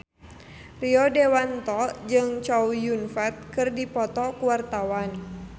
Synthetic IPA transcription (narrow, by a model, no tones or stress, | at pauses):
riɔdewant̪ɔd͡ʒɨŋt͡ʃawjunfɛt̪̚kɨrdipɔt̪ɔkuwart̪awan